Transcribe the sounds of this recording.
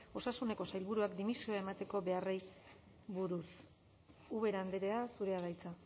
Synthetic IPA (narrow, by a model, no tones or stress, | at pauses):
o̞sasune̞ko̞sajlβuɾuakd̪imisio̞ae̞mat̪e̞ko̞βe̞arej | βuɾus | uβe̞ɾand̪eɾeasuɾe̞aɣajt͡sa